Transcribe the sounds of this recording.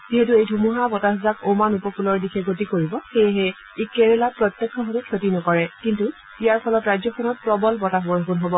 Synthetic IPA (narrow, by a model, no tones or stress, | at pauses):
ziɦetuejdʱumuɦabɔtaɦzakomanupɔkʰulɔɹdikʰɛɡot̬ikoɹibɔxejɛɦɛ | ikeɹɛlapɹɔtːjɛkʰːɔɦɔtukʰotinɔkɔɹɛkintu | ijaɹpʰɔlɔtɹajd͡ʒzjɔxʰɔnɔt̚pɹɔbɔlpɔtabɔɹɔkunɦobɔ